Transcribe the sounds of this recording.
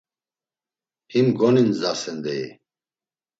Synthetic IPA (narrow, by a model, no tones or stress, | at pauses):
himɡɔninzasɛnd̪ɛj